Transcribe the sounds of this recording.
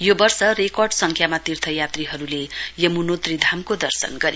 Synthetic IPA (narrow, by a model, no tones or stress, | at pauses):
jobʌrsʌrekʌrɖsʌŋkʰjamat̪irt̪ʰʌjat̪riɦʌɾulejʌmunot̪rid̪ʱamkod̪ʌrsʌ̰nɡʌɾi